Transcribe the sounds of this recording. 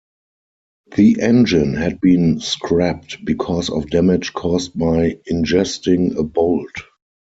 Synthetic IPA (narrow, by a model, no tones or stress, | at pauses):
ðiʔɛ̃nd͡ʒɪ̃nhæd̚bĩːnskʰɹæp̚tbikʰɔsɔfdæmɪt͡ʃkʰɔst̚baɪɪ̃nd͡ʒɛstɪ̃ŋəboʊlt